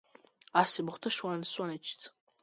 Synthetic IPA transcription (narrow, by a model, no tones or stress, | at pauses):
asibɨχʷtʰɨʂwansʼʷanat͡ʃʰtʰ